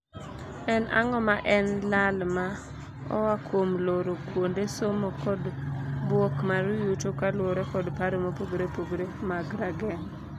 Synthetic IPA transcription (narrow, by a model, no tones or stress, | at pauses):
ɛnʔa̰ŋɔmaʔɛnlalma | ɔ̰wakʰomloɾokwondesomokɔdbwokmaɾʊjutokalwoɾɛkɔdpaɾomopoɡɾepoɡɾemaɡɾaɡɛŋ